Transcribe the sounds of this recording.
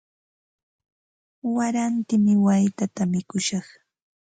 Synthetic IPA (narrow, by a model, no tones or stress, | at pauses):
waɾant̪ɪmɪwajt̪at̪amɪkʊʃɑχ